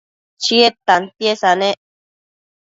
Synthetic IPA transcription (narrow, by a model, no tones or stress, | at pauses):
t͡ʃiet̪ant̪jesanẽʔ